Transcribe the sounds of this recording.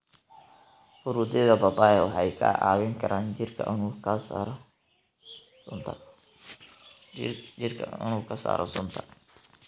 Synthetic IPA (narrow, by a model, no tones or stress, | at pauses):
fʊɾuːd̪ɪðɐbɐbaːjɛwɑħɑjkʰɐ̰ʔaːwɪŋkʰɐɾʔaːnɪrkʰɐ̰ʔnuɾ | t̪ʰ | t͡ʃɪrkʰɐ̰ɪ̰nuːkʰɐsa̰ːɾɔ̰sʊnt̪ʰɐ̥